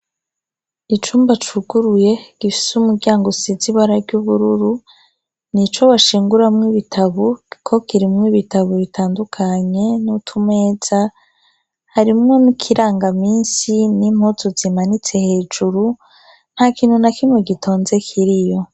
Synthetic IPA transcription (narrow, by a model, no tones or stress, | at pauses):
it͡ʃuːmbat͡ʃuɡuɾuje̞ɡ̥ifi̥sumuɡɟaːŋɡoseziβaɾaɾɟuβuɾuɾu | nit͡ʃo̞waʃiːŋɡuɾamŋiβitʰaβokʰo̞kiɾimŋiβitaβoβitʰaːndukʰaɲe̞nutʰume̞ːz̥a | haɾimŋomukʰiɾaːŋɡamiːnsinimhozozimanit͡se̞he̞ːd͡ʒuɾu | n̥hakiːn̥hunakimweɡito̞ːnze̞kʰiɾijo̞